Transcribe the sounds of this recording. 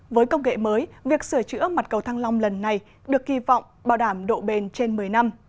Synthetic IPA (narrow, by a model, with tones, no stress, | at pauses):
vəː˨˦jkə˧wŋ͡mŋḛ˧˨məː˨˦jvi˨˩ək̚sɨ˧˩ət͡ɕɨ̰˧˥əma˨˩t̚kə˨˩wt̪ʰaː˧ŋla˧wŋ͡mlə˨˩nːa˨˩j | ɗɨ˨˩ək̚ːhi˧˩vɔ̰˧˨wŋ͡mɓaː˧˩wɗaː˧˩mɗo̰˧˨ɓe˧˩nt͡ɕe˧nmɨ˨˩əjna˧m